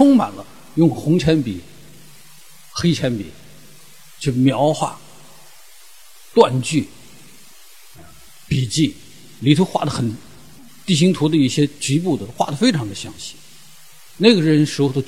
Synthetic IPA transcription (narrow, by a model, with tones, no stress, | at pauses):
ʈ͡ʂʰʊ˥ŋma̰˨˩nlə˦ | jʊ˥˩ŋxʊ˧˥ŋt͡ɕʰjɛ˧˥npḭ˨˩˦ | xe˥ɪt͡ɕʰjɛ˧˥npḭ˨˩˦ | t͡ɕy˥˩mjɑ˧˥ʊxwa̰˥˩ | t̪wa˥˧nt͡ɕy˥˩˧ | pi˨˩t͡ɕi˥˩ | li˨˩t̪ʰu˥xwa̰˥˩d̪ə˩xə˨˩n | t̪i˥˩ɕ̬i˥ŋt̪ʰu˧˥d̪ə˧i˥˩ɕjɛ˥t͡ɕy˧˥pu˥˩d̪ə˩xwa̰˥˩d̪ə˩fe˥ɪʈ͡ʂʰɑ˧˥ŋd̪ə˧ɕjɑ˧˥ŋɕi̥˥˩ | ne˥˩ɪɡə˩ɻə˧˥nʂɻ̩˧˥xo˧˩t̪o˥